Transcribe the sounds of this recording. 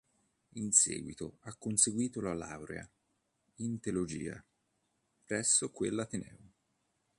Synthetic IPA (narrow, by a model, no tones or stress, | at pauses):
insḛːɡwit̪oakːonseɡwiːt̪olala̰wɾḛa̰ | int̪elod͡ʒiːa̰ | pɾɛsːokwelːat̪enɛ̰ːo